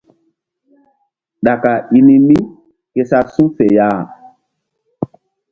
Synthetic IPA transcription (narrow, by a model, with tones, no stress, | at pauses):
ɗa˨ka˨i˨ni˦mi˦ | ke˨sa˦sũ˦fɛ˨jaː˦˨